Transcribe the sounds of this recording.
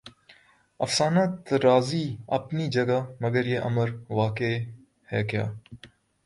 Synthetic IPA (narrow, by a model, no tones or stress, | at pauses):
ɐ̰fsaːnaːt̪ɾaːziɐ̰pnid͡ʒɐɡamɐɡəɾjeʔɐməɾʋaːke | hɛːkja̰ː